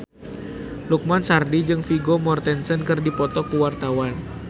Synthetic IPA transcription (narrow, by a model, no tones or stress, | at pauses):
luk̚mansardid͡ʒɨŋfiɡomɔrt̪ɛnsənkɨrdipɔt̪ɔkuwart̪awan